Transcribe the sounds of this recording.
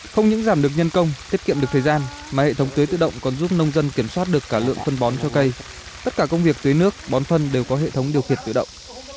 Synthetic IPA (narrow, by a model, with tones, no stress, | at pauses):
xə˧wŋ͡mɲɨ̰˧˥ŋzaː˧˩mɗɨ˨˩ək̚ɲə˧nkə˧wŋ͡mt̪i˦˥ət̚kḭ˧˨mɗɨ˨˩k̚t̪ʰːzaː˧n | maː˨˩hḛ˧˨t̪ə˨˦wŋ͡mt̪əː˨˦jt̪ɨ̰˧˨ɗə̰˧˨wŋ͡mkɔ˨˩nzu˦˥p̚nə˧wŋ͡mzə˧nki˧˩əmswaː˦˥t̚ɗɨ˨˩əkːaː˧˩lɨ̰˧˨əŋfə˧nɓɔ˨˦nt͡ɕɔ˧kə˧j | t̪ə˦˥t̚kaː˧˩kə˧wŋ͡mvi˨˩ək̚t̪wə˨˦jnɨ˦˥ək̚ɓɔ˨˦nfə˧nɗe˨˩wkɔ˨˦ɦḛ˧˨t̪ʰə˨˦wŋ͡mɗi˨˩əwxḭ˧˨ənt̪ɨ̰˧˨ɗə̰˧˨wŋ͡m